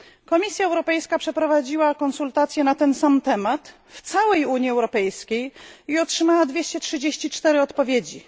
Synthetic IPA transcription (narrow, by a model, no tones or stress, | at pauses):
kɔmʲisʲjaɛwɾɔpɛjskapʂɛpɾɔvad͡ʑiwakɔnsult̪at̪sʲjɛnat̪ɛnsamt̪ɛmat̪ | ft̪sawɛjuɲjiɛwɾɔpɛjskʲejiɔtʂɘmawad̪vʲjeɕt͡ɕɛtʂɘd͡ʑeɕt͡ɕit͡ʂt̪ɛɾɘɔt̪pɔvʲjed͡ʑi